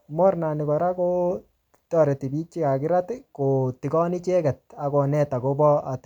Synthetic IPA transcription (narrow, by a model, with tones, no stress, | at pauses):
mɔ˦ɾna˨ni˨kɔ˨ɾa˦ko˦ | tɔ˨ɾe˨ti˨bi˦t͡ʃi˦ka˨kɪ˦ɾa˦tɪ˦ko˨ti˨kɔ˦ni˦t͡ʃe˦kɛ˨t̚a˨ko˨nɛ˦ta˨ko˦bɔ˦a˨t